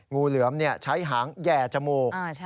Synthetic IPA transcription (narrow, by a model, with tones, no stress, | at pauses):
ŋuː˧lɯ˩˦əmni˥˩ət͡ɕʰa˦˥jɦaː˩˦ŋjɛː˨˩t͡ɕa˧moː˨˧˩kː